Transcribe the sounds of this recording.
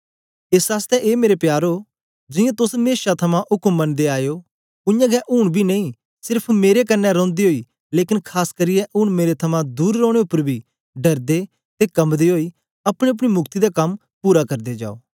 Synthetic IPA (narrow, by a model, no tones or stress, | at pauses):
ɪsaːst̪ɛʔeːmeːɾepjaːɾoː | d͡ʒɪjãt̪ʊsmeːʃat̪ʰɐmãʔʊkəmːənd̪eaːjoː | ʊjãːɡɛʔʊɳ̃bʱinɐĩː | sɪɾpʰmeːɾekɐnːɛɾɔ̃ːnd̪iɦoːiː | leːkɪnkʰaːskəɾɪjɛʔʊɳ̃meːɾet̪ʰɐmãd̪uːɾːɔ̃ːɽ̃eʊpːəɾbʱiː | ɖɐɾd̪e | t̪ekɐmd̪iɦoːi | ɐpɽ̃ẽɐp̬ɽ̃imʊkʰt̪id̪akɐm | puːɾakɐɾd̪ed͡ʒa̰ːo̰ː